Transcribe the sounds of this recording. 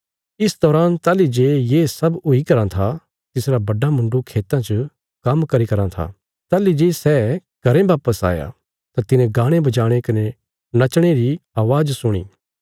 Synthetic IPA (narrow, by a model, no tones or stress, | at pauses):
ɪsd̪ɔːɾaːnt̪aːlid͡ʒeːjeːsɐbʊikɐɾãt̪ʰa | t̪ɪsɾabɐɖamʊ̃ɳɖukʰeːt̪ãt͡ʃə | kɐmkɐɾikɐɾãt̪ʰa̰ | t̪aːlid͡ʒeːsɛː | kɐɾẽbaːpəsa̰ːja̰ | t̪at̪ɪnẽɡãːɽ̃ẽbɐd͡ʒaːɽ̃ekɐne | nɐt͡ʃɽ̃eɾiaːʋaːd͡ʒsʊɽ̃ḭː